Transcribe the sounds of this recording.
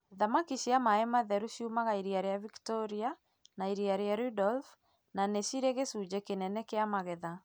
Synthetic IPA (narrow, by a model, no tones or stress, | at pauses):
ðamakiɕiamaɛmaðɛɾuʃiumaɣaiɾiaɾejaviktɔɾia | naiɾiaɾeaɾudɔlf | naneʃiɾeɣesuːd͡ʑekenɛnɛkeamaɣɛða